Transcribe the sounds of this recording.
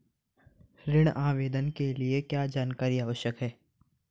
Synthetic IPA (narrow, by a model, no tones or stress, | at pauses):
ɾɪɽ̃aːʋeːd̪ənkeliekjaːd͡ʒaːnkaːɾiaːʋəʃjəkɦɛː